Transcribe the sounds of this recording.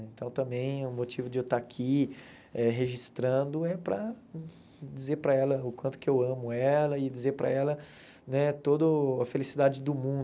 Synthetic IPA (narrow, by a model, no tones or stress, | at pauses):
ẽnt̪ɐ̃w̃t̪ɐ̃mbẽj̃ʊmot͡ʃivʊd͡ʒɪewt̪aakʰi | ɛɦeʒist̪ɾɐ̃d̪ʊɛpɾɐ | d͡ʒizeɾpɾɐɛlɐʊkʷwɐ̃t̪ʊ̥kɪewɐ̃mʊɛlɐɪd͡ʒizeɾpɾɐ̰ɛlɐ | nɛt̪od̪ʊɐfelisid̪ad͡ʒɪd̪ʊmũ